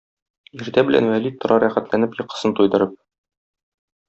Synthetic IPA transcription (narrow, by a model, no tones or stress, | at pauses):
iɾt̪æbɘ̆lʔæ̰nwælit̪ŏɾɑɾæχæt̪lænɘpjɤ̆qɤ̥̆sɤnt̪ujd̪ɤ̆ɾɤp̚